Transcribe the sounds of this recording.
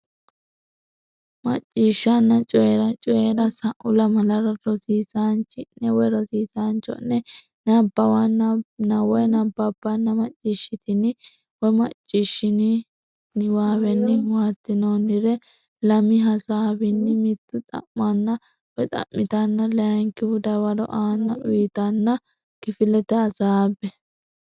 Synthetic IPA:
mɐ̰t͡ʃʼːɪʃːɐnːɐt͡ʃʼɔɛɾɐt͡ʃʼɔeɾɐsɐʔʊlɐmɐlɐɾɐɾɔsiːsant͡ʃɪnːɛwɛɾɔsiːsant͡ʃɔ̰nːɛ | nɐbːɐwannɐwɛnɐbːɐbːɐnːɐmɐt͡ʃʼːɪʃːɪt̪ɪnɪ | wɛmɐt͡ʃʼːɪʃːɪnɪ | nɪwaːβɛnːɪwaːt̪ːɪnonɪɾɛ | lɐmɪɦɐsaːbɪnːɪmɪt̪ːʊt̪ʼɐ̰mːɐnːɐ | wɔt̪ʼɐ̰mːɪt̪ɐnːɐlɛjɐŋkɪwʊd̪ɐwɐɾɔ̰ʔaːnːɐʔʊjt̪ɐnːɐ | kɪfɪlɛt̪ɛɐsaːbːɛ

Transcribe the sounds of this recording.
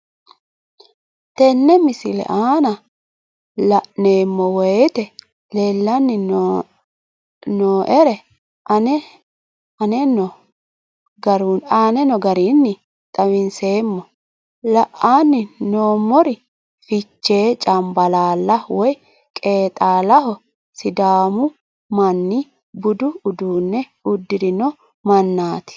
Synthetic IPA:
t̪ɛnːɛmɪsɪlɛ̰ʔaːnɐ | lɐʔne̞ːmːɔwɔjt̪ɛ | leːlːɐnːɪ | noːʔɛɾɛ | ɐnɛ | ɐnɛnːɔ | ɡɐɾunaːnɛnɔɡɐɾiːnːɪ | t̪ʼɐwɪnse̞ːmːɔ | lɐʔaːnːɪnoːmːɔɾɪ | fɪt͡ʃːe̞ːt͡ʃʼɐmbɐlaːlːɐwɔj | kʼe̞ːt̪ʼaːlɐɦɔ | sɪd̪aːmʊ | mɐnːɪ | bʊd̪ʊːd̪uːnːɛ | ʊd̪ːɪɾɪnɔ | mɐnːaːt̪ɪ̥

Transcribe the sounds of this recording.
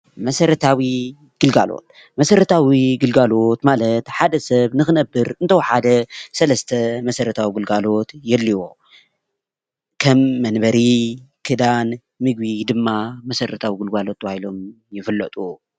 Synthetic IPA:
mɐsɐɾɐt̪ʰawi | ɡ̥ɨlɡa̰lo̞̰t̪̚ | mɐsɐɾɐt̪ʰawiɡɨlɡalo̞t̪malɐt̪ħad̪ɐsɐβnɨxɨnɐbːɨɾɨnt̪ʰɐwħad̪ɐsɐlɐst̪ʰɐmɐsɐɾɐt̪ʰawiɡɨlɡalo̞t̪jɛlːiwo | kʰɐmːɐnbɐɾikʰɨd̪an | mɨɡbid̪ɨmːamɐsɐɾɐt̪ʰawiɡɨlɡalo̞t̪ːwahilo̞m | jɪfɨlːɐt̪ʼu

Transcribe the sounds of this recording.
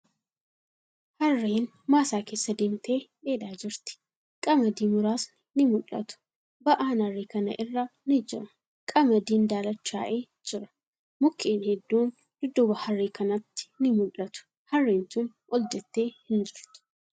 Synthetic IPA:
hɐrːeːn | maːsaːke̞ːsːɐd̪eːmt̪e̞ːbeːd̪aːd͡ʒɪɾt̪ɪ̥ | kʼɐmɐd̪iːmʊɾaːs | nɪmʊlːɐ̰t̪ʊ̥ | bɐʔaːnhɐrːeːkɐnɐ̰ʔɪrːɐnɪd͡ʒɪ̰ɾɐ | kʼɐmɐd̪iːnd̪aːlɐt͡ʃːa̰ːʔeː | d͡ʒɪɾɐ̥ | mʊkʰːeːnhɛd̪ːuːn | d̪̥ʊd̪ːʊbɐhɐrːeːkɐnɐt̪ːɪ̥nɪmʊlːɐt̪ʊ̥ | hɐrːeːntʊn | ʔɔld͡ʒɛt̪ːe̞ːhɪnd͡ʒɪɾt̪ʊ̥

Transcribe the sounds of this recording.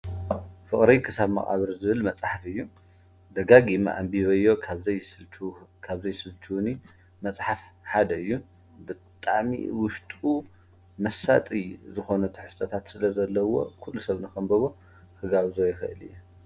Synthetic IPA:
fɨχʼɾikʰɨsaβmɐ̰χʼa̰βɐɾzɨβɨlmɐt͡sʼħafɨjːu | d̪ɐɡaɡima̰ʔa̰mbiβɐjːo̞kʰaβzɐjsɨkʰaβzɐjsɨlt͡ʃʰuni | mɐt͡sʼħafħad̪ɐɨjːu | bɨtt̪ʼaʕmḭwʊʃt̪ʼu | mɐsa̰t̪ʼijzɨxo̞nɐt̪ʰɨħɨ̥st̪ʼʰɐt̪ʰat̪sɨlɐzɐlːɐwo̞̰kʰulːusɐβnɨxɐmbɐβo̞ | hɨɡaβzojɛxɐʔɨlɨ̰jːu

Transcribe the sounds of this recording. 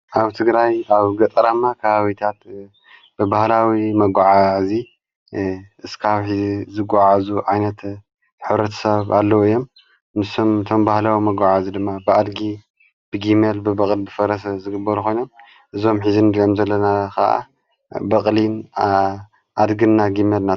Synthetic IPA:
ʔaβt̪ʰɨɡɾajaβɡɐt̪ʼɾamakʰɐβaβit̪ʰat̪ | b̥ɨbahlawimɐɡʷaʕazi | ɨskʰaβħizizɨɡʷaʕazuʕajnɐt̪ | ħɨβɾɐt̪ʰɐ̥sɐβa̰lːɐwɨjːo̞m | nɨsomɨt̪ʰo̞mbahlawimɐɡʷaʕazid̪ɨmːabɨad̪ɡi | b̥ɨɡimelbɨbɐkʼlbɨfɐɾɐszɨɡɨbːɐɾukʰo̞jno̞m | ʔɨzo̞mħizinkʰɐmzɐlːɐnakʰaʔa̰ | bɐkʼlin | ʔad̪ɡɨnːaɡimelna

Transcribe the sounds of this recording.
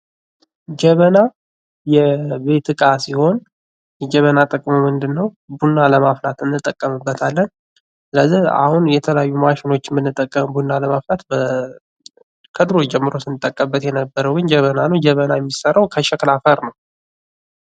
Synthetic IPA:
d͡ʒɛβəna | jɛβe̞t̪ɨkʼasiho̞n | jɛd͡ʒɛβənat̪ʼəkʼmomɨnd̪ɨnːəw | bunːaləmaflat̪ɨnːɨt̪ʼːəkʼːəmɨbːət̪ʰalːən | sɨləzːiha̰hunjɛt̪ʰələjajːumaʃɪno̞t͡ʃːɪmɨnːɨt̪ʼːəkʼːəmbunːaləmaflat̪bə | kʰəd̪ɾo̞jd͡ʒɛmːɨɾo̞sɨnɨt̪ʼːəkʼːəbːət̪jɛnəbːəɾəwɡɨnd͡ʒɛβənanəwd͡ʒɛβənajɛmːisərawkʰəʃɛklafəɾnəw

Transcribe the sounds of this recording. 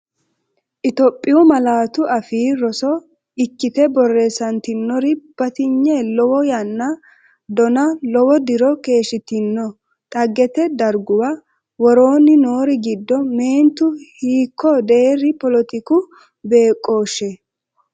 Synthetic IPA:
ʔɪt̪ɔpʼːɪjʊmɐlaːt̪ʊɐfiːɾɔsɔ | ɪkːɪt̪ɛbɔrːeːsɐnt̪ɪnːɔɾɪb̥ɐt̪ɪɲːɛlɔwɔjɐnːɐ | d̪ɔnɐlɔwɔd̪ɪɾɔke̞ːʃɪt̪ɪnːɔ | t̪ʼɐɡːɛt̪ɛd̪ɐɾɡʊwɐ | wɔɾo̞ːnɪno̞ːɾɪɡɪd̪ːɔme̞ːnt̪ʊhiːkʰːɔd̪e̞ːɾɪpɔlɔt̪ɪkʊ | be̞ːkʼːo̞ːʃɛ

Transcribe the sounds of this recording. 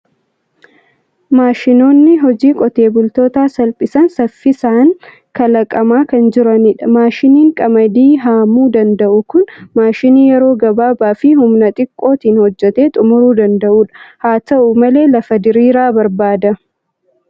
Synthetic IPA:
maːʃɪno̞ːnːɪɦɔd͡ʒiːkʼɔt̪e̞ːbʊlt̪o̞ːt̪aːsɐlpʼɪsɐnsɐfːɪsaːŋ | kɐlɐkʼɐmaːkɐnd͡ʒɪɾɐnɪᶑɐmaːʃɪniːŋkʼɐmɐd̪iːɦaːmuːd̪ɐnd̪ɐʔʊkʊnmaːʃɪniːjɛɾo̞ːɡɐbaːbaːfɪhʊmnɐt̪ʼɪkʼːo̞ːt̪iːnhɔd͡ʒːɛt̪e̞ːt̪ʼʊmʊɾuːd̪ɐnd̪ɐʔuːᶑɐ̥haːt̪ɐʔʊmɐle̞ːlɐfɐd̪ɪɾiːɾaːbɐɾbaːd̪ɐ

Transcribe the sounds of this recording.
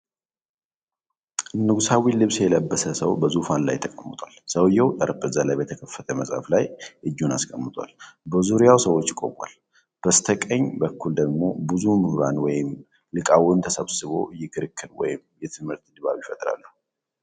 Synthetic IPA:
ɨnːɨɡusawilɨβsjɛləbːəsəsəwbəzufanla̰jt̪ʰəkʼəmːɨt̪ʼwalsəwjːɛwt̪ʼəɾəbʼɨzalajbət̪ʰəkʰəfːət̪ʰəməsʼa̰flajʔɨd͡ʒːunaskʼəmːɨt̪ʼwa̰lbəzuɾijawsəwot͡ʃːɪkʼo̞̰kʼa̰l | b̥əst̪ʰəkʼəɲbəkːuld̪əɡmo̞̰bɨzumɨhɾanwɔjɪm | lɨkʼawʊnt̪ʰəsəβsɨβo̞̰ɨjːɪkʰɨɾɨkʰːɨd̪wɔ̰jɪmjɛt̪ʰɨmhɨɾt̪d̪βa̰βjɪfət̪ʼɾa̰lːuh

